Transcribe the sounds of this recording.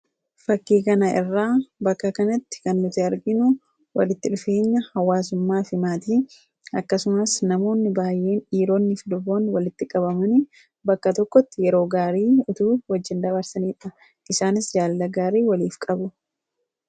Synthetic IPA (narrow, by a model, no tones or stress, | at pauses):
fɐkːiːkɐnɐʔɪ̰rːaːbɐkːɐkɐnɐt̪ːɪ̥kɐnːʊt̪ɪɐɾɡɪnʊ | wɐ̰lɪt̪ːɪᶑʊfe̞ːɲːɐhɐwːaːs̬ʊmːaːfɪmaːt̪iː | ɐkːɐsʊmɐsnɐmo̞ːnːɪbaːjʔe̞ːnᶑiːɾo̞ːnːɪflʊbo̞ːnwɐlɪt̪ːɪkʼɐbɐmɐnɪ | bɐkːɐt̪ɔkːɔt̪ːɪjɛɾo̞ːɡaːɾiːʊt̪uːwɐd͡ʒːɪnd̪ɐbɐɾsɐniːᶑɐ | ʔɪsaːnɪsd͡ʒaːllɐɡaːɾiːwɐliːfkʼɐbʊ